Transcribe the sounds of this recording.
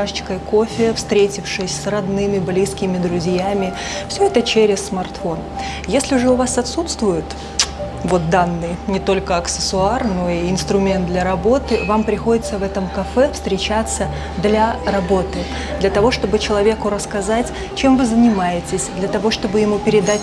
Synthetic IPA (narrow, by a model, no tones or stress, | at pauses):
aʂt͡ɕɪ̥kəjko̞fʲɪəfst̪ɾʲetʲɪfʂɨsʲsrɐd̪nɨmʲɪblʲiskʲɪmʲɪd̪ɾʊzʲjamʲɪ | fsʲɵɛt̪ət͡ɕeɾʲɪsːmɐrt̪fo̞n | jesʲlʲɪʐɨʊvasɐt̪sut̪st̪vʊjɪt̪ | vo̞t̪̚d̪anːɨjnʲɪt̪o̞lʲkəɐksʲɨ̥sʊarno̞iɪnst̪ɾʊmʲent̪d̪lʲɐɾɐbo̞t̪ɨvampɾʲɪxo̞dʲɪt̪səvɛt̪əmkɐfɛfst̪ɾʲɪt͡ɕat̪sːə | d̪lʲɐrɐbo̞t̪ɨ | d̪lʲɐt̪ɐvo̞ʂt̪o̞bɨt͡ɕɪlˠɐvʲe̞kʊɾəskɐzatʲ | t͡ɕe̞mvɨzənʲɪmajɪtʲɪsʲd̪lʲɐt̪ɐvo̞ʂt̪o̞bɨjɪmupʲɪɾʲɪd̪atʲ